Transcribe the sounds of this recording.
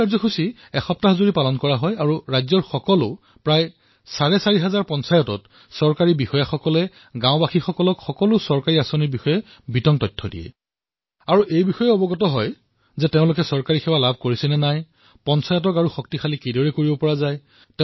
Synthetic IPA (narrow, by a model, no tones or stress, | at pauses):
aɹzɔxusi | ɛxɔp̚taɦzuɹipalɔnkɔɹaɦɔjaɹuɹajzɔɹxɔkɔlʊ | pɹaj | saɹɛsaɹiɦazaɹpɔnsajɔtɔt | sɔɹkaɹibixɔjaxɔkɔlɛ | ɡãʊ̃baxixɔkɔlɔkxɔkɔlʊsɔɹkaɹiasoniɹbixɔjɛ | bitɔŋtɔjtʰːɔdḭɛ̰ | aɹuejbixɔjɛɔbɔɡɔtɔɦɔj | zɛteʊ̃lʊk̬ɛsɔɹkaɹixʰɛwalab̚ʱkoɹisɛnɛnaj | pɔnsajɔtɔkaɹuxɔk̚tixʰalikidɔɹɛkoɹibɔpɔɹazaj | te